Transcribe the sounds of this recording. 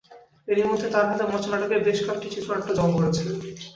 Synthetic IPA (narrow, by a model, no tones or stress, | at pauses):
eɾimod̪ʱːet̪aɾmad̪emɔt͡ɕʰonaʈekebeʃkakʈit͡ɕit̪ːɾoɛk̚ʈad͡ʑɔmɡoɾet͡ɕʰile